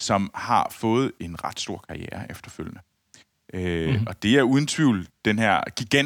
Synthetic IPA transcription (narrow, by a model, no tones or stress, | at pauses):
sɒ̽mhɑ̈fɔ̽ːð̞̩ˠe̝nʁɑ̈d̥sd̥o̝ɐ̰kʰɑ̈ieːɐʔefd̥ɐføl̰jənə | ʔøɒ̽d̥e̝æɐuð̞ˠn̩t͡sʰʋiʊ̰ld̥enɦæɐ̰ɡ̥iɡ̥æn